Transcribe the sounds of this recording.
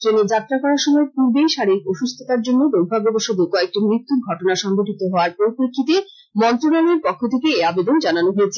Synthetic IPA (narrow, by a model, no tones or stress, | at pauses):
t̪ɾeneɾd͡ʑat̪ːɾakɔɾaɾʃɔmɔepuɾbejʃaɾekoʃust̪ʰit̪aɾd͡ʑonːod̪oɡ̚bʱaɡoboʃod̪okɔek̚ʈimɾit̪ːuɾɡʱɔʈonaʃɔŋɡoʈit̪oɦɔoaɾpɾoɾipɾekʰːit̪e | mɔnt̪ɾonaleɾpɔkʰːot̪ʰekeːabed̪ond͡ʑananoɦoet͡ɕʰe